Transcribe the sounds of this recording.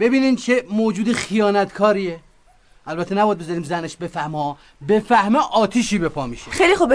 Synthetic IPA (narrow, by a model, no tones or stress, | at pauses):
b̥e̞biːniːnt͡ʃʰemoːd͡ʒuːd̪exijɒːnæt̪ʰkʰɒːɾie | ʔælbæt̪ʰːenæbɒjæd̪̚bezɒɾiːmzæneʃbe̞fæhmɒ | be̞fæhmɛʔɒːt̪ʰiːʃiːbe̞pʰɒːmiʃexejlixob